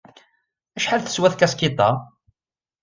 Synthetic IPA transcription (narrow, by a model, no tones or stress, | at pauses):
æʃħalθə̥swæθkæskit̪ˤɑ